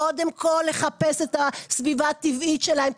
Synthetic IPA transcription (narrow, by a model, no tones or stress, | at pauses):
o̞d̪emkʰo̞lːe̞χape̞set̪asvivaːt̪ivit̪ʃelahem